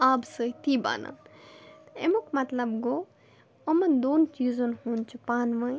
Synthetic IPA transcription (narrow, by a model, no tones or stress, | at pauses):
absɨjt̪iba̰na̰ | emukmɐt̪ləbɡo | əmɐnd̪ont͡ʃizonhunt͡ʃʰupanməj